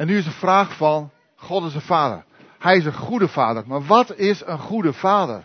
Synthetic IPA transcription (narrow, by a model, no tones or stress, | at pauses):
ɛnːyɪs̬dəfraːχfɑn | χɔtɪsdəfaːdə̰r | hɛjɪs̬ənχudəfaːdəɹmaːɹʋɑtɪsənχudəfaːdə̰r